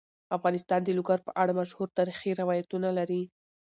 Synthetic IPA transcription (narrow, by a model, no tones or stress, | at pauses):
afɣɑnɪst̪ɑnd̪əlʊɡaɾpəʔaɽamaʃhuɾt̪ɑɾixiɾɪwɑjat̪unalaɾi